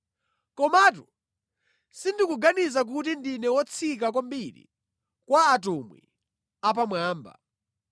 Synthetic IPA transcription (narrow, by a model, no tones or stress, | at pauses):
kɔmatu | sindikuɡanizak̬utindinɛwɔt͡sʰik̬ak̬ambiɾḭ | kwaːt̬umwḭ | ap̬amwaːmba̰